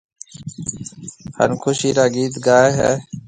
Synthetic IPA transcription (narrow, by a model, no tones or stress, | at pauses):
hə̰nkʰʊʃiːɾaːɡiːt̪ɡaːeɦɛ̰ː